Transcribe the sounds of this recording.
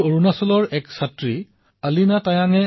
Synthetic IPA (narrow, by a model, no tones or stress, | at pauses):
oɹunasɔlɔɹɛksatɹi | alinatajaŋɛ